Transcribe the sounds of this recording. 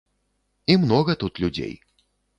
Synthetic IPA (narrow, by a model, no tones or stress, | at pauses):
imnɔɣɐt̪ut̪lʲud͡zʲḛj